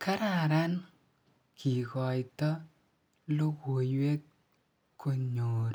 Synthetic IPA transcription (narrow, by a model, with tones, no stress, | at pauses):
ka˦ɾa˨ɾa˦n | kʰi˨kɔ˨jtɔ˦ | lo˦ɡwo˨jwe˦t̚ | kʰːo˨ɲo˨ɾ